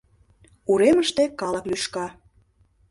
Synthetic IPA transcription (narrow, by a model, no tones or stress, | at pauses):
uɾeməʃt̪ekɑlə̆klyʃkɑ